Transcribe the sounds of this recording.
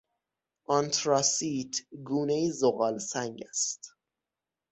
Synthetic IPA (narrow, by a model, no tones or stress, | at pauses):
ʔɒnt̪ʰɾɑsiːt̪ʰɡuːnejizoɣɒːlsæŋɡæst̪